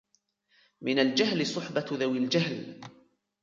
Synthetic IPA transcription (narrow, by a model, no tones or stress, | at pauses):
mɪnald͡ʒahlɪsˤʊħbaðawɪld͡ʒahl